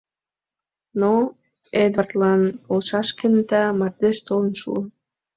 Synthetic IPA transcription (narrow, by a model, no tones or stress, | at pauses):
no | ed̪ɑrt̪lɑnolʃɑʃkenət̪ɑmɑrd̪eʃt̪olənʃṵən